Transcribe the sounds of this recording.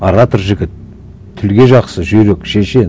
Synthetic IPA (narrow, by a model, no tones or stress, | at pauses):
ɑɾɑt̪əɾʒɪɡʲɪt̪̚ʰː | ʏlɡʲe̞ʒɑqsəʒʏjɾekʃe̞ʃe̞n